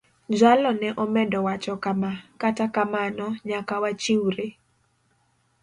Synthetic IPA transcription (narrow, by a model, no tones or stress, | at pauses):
d͡ʒalɔnɛʔɔmɛdɔwat͡ʃɔkamakatakamanɔɲakawat͡ʃiwɾe